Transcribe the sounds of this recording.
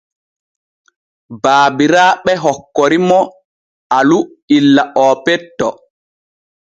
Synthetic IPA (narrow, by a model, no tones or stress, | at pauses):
baːbiɾaːɓɛɦɔkːɔɾimɔ | alu | ilːaʔɔːpɛtːɔ